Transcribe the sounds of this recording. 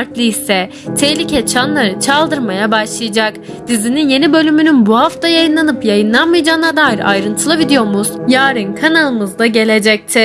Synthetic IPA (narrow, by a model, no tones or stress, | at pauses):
ɾt̪lʲˠiisɛ | t̪ʰehlʲicʰɛt͡ʃʰanlˠaɾɯt͡ʃʰalˠd̪ɯɾmajabaʃlˠɯjad͡ʒak | d̪̥izininje̞nibø̞lʲymynynbuhaft̪ʰajajɯnlˠanɯpjajɯnlˠanmɯjad͡ʒaːnad̪aːɦiɾa̰jɾɯnt̪ʰɯlˠɯbid̪ejo̞ɾmuz̥jaːɾɯnkʰanalˠɯmɯzd̪aɟe̞lʲe̞d͡ʒɛc̚t̪ʰɪ